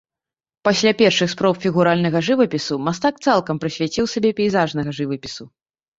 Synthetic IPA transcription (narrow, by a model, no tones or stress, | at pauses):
pasʲlʲapʲɛrʂɨxspɾɔpfʲiɣuɾalʲnɐɣɐʐɨvɐpʲisumast̪ak̚t̪salˠkɐmpɾɨsʲvʲat͡sʲiwsʲabʲɛpʲɛjzaʐnɐɣɐʐɨvɐpʲisu